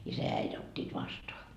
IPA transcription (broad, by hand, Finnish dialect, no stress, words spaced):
isæ jɑ æit otʲːiːt ʋɑstoɑ